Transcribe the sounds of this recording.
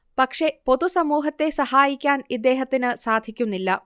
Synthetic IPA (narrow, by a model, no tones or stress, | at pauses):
pɐkʂe̞po̞ðusɐmuːɦɐt̪ːe̞sɐhaːjikʲːaːnid̪ːe̞ːɦɐt̪ːinɨsaːd̪ʱikʲːunːilːɐ